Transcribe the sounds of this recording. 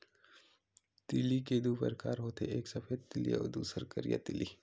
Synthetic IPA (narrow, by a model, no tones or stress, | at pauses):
t̪ɪliked̪uːpə̰ɾkaːɾɦoːt̪eʔeːksɐfʰeːd̪t̪ɪliɔ̰ːɾd̪uːsəɾkəɾija̰t̪ɪli